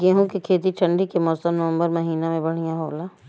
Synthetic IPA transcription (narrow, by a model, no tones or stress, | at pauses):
ɡeɦũkikʰeːt̪̬iʈʰɐ̃ɳɖikemɔːsəmnəʋə̃mbəɾmɐɦiːnamẽbɐɽ̤ijãɦoːlaː